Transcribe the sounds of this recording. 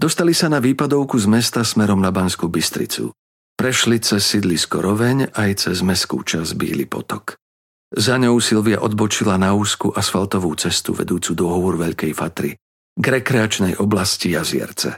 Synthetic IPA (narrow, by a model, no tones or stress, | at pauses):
d̪ɔst̪alisanaʋiːpad̪ɔʊkuzmɛst̪asmɛɾɔmnabanskubist̪ɾḭt͡sṵ | pɾɛʃlit͡sɛsːid̪liskɔɾɔʋɛɲajt͡sɛzmɛskṵːt͡ʃazbḭːlḭpɔ̰t̪ɔk | zaɲɔʊsilʋia̰ʔɔd̪̚bɔt͡ʃilanauːskuʔasfalt̪ɔʋuːt͡sɛst̪ṵʋɛ̰d̪uːt͡sud̪ɔɦɔʋɔɾʋɛʎkɛjfat̪ɾḭ | ɡɾɛkɾɛat͡ʃnɛjʔɔblascijazɪɛ̰ɾt͡sɛ̰